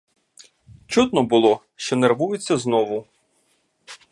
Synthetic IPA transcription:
t͡ʃut̪nɔbʊlˠɔ | ʃt͡ʃɔnerʋujʊt͡sʲːɐznɔʋʊ

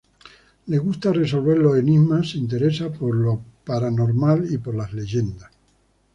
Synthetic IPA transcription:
le̞ɣ̞ust̪are̞s̬o̞lβe̞ɾloeniɣmaseint̪̬e̞ɾe̞sapo̞ɾlo̞paɾanoɾmalipo̞ɾlazle̞ʝe̞nd̪as

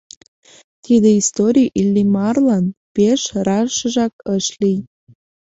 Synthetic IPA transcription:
t̪id̪eist̪oɾʲijʔilʲːimɑrlɑnpeʃrɑʃəʒɑkəʃlij

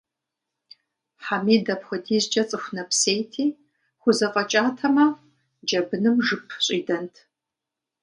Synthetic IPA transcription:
ħamiːdɐpxʷɔdʰiːzd͡ʒɐt͡sʼɨxʷnɐpseːjtʰiː | χʷʊzɐqʼɐt͡ʃʼaːtʰɐmɐ | d͡ʒɐbɨnɨmʒɨpʰɕʼiːdɐntʰ

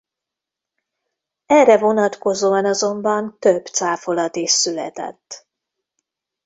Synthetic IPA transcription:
ɛrɛvo̞nɒt̪ko̞zoːɒnɒzo̞mbɒnt̪øbt̪saːfo̞lɒt̪iʃsylɛt̪ɛ̰t̪ː

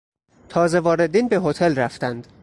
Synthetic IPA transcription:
t̪ʰɒːze̞vɒːɾe̞d̪iːnbe̞ɦo̞t̪ʰelræft̪ænd̪̥

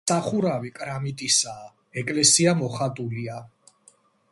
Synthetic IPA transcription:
aχuɾavikʼɾamit̪ʼisaː | ɛkʼlɛsiamɔχat̪ʼulia

